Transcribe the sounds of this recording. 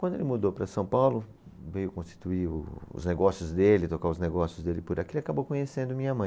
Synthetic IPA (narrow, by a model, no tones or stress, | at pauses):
kwɐ̃nd̪ʊelɪmud̪owpɾɐsɐ̃w̃pawlʊ | vejʊkõst͡ʃi̥t̪uiʊ̰ʊ̰zneɡɔsjʊzd̪elɪt̪okaʊzneɡɔsjʊzd̪elɪpʊɾʔakielɪakabowkõɲesẽnd̪ʊmĩɲɐmɐ̃j̃